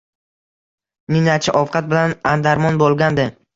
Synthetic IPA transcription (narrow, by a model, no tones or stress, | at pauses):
nɪnat͡ʃʰaʔɒfqʰɑt̪̚bɪlanand̪aɾmɒnbolˠɡʲand̪ɪ